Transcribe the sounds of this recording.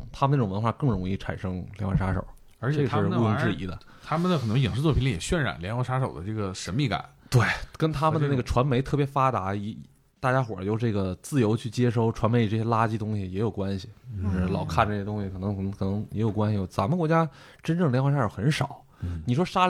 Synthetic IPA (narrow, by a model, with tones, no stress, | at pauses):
t̪ʰa˥mə˧˥˩ʋnxwa˥˩kɤ˥˩ŋɻʊ˧˥ŋi˥˩ʈ͡ʂʰa̰˨˩nʂɤ˥ŋljnxwʂa˥ʂo̰˨˩˦ʊ | ə˞˧˥t͡ɕʰə˩wɔ˥˧˥i˥˧ŋʈ͡ʂɻ̩˥˩ḭ˧˥d̪ə̰˧ | t̪ʰa˥mə˨nd̪ə˩xʰn˧˥ŋji˨˩ŋʂɻ̩˥t͡swɔ˥˩pʰi˧˥li˥˩jɛ˨˩ɕɥɛ˥˧nɻa̰˨˩˦nljɛ˧˥nxwɑ˥ʂa˥ʂo˨˩ʊd̪ə˦ʈ͡ʂɤ˥˩ɡə˩ʂə˧˥nmi˥˩ka̰˨˩˦nt̪we˥˩ɪkə˥nt̪ʰa˥mə˨nd̪ə˧a˥˩ɡə˩ʈ͡ʂʰwa˧˥nme˧˥ɪt̪ʰɤ˥˩pjɛ˧˥fa˥t̪a˧˥i˧˥˧ | t̪a˥˩t͡ɕja˥xwɔ̰˨˩jo˥˧ʊʈ͡ʂɤ˥˩ɡə˩t͡sɹ̩˥˩jo˧˥ʊt͡ɕʰy˥˩t͡ɕjɛ˥ʂo˥˩ʊʈ͡ʂʰwa˧˥nme˧˥ɪ˧ʈ͡ʂɤ˥˩ɕjɛ˥la˥t͡ɕi˥t̪ʊ˥ŋɕi˨jɛ˧˥jo˨˩ʊkwa˥nɕi˨˧˥ʂɻ̩˥˩lɑ˨˩ʊkʰa˥˩n˧˥˩jt̪ʊ˥ŋɕi˨kʰɤ˨˩nɤ˧˥ŋ˨˩˧ŋkʰɤ˨˩nɤ˧˥ŋjɛ˧˥jo˨˩ʊkwa˥nɕi˧jo˧˩sa˧˥mə˨kwɔ˧˥t͡ɕja˥ | ʈ͡ʂə˥nʈ͡ʂɤ˥˩ŋljɛ˧˥nxwʂa˥ʂo˧˩xə˧˥nʂɑ˨˩˦ʊ | ni˨˩ʂ̬wɔ˥ʂa˥